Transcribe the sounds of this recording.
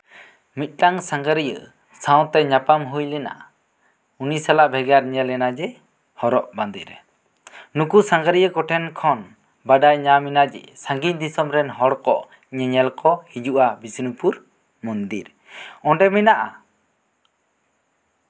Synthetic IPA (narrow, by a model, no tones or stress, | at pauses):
mit̪̚ˀʈaŋsãŋɡaɾijə̰ | saw̃t̪ɛɲapamɦujlɛna̰ | unisalaʔbʱɛɡaɾɲɛlɛnad͡ʒɛ | hɔɾɔʔband̪ḭɾ | nukusaŋɡaɾijəkɔʈʰɛnkʰɔn | baɖajɲaminad͡ʒɛ̰sãŋɡiɲd̪isɔmɾɛnɦɔɽkɔʔ | ɲɛɲɛlkɔhid͡ʒuʔabisinupuɾ | mɔnd̪ḭɾ | ɔɳɖɛminaʔa̰